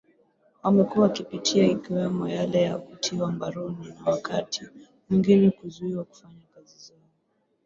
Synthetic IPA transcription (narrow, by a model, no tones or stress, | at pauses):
wamɛkuwakipitʰiaikiwɛmɔjalɛjavutʰiwambaɾɔninawakatʰi | mwiŋɡinɛkuzuiwaku̥faɲakazizaɔɔ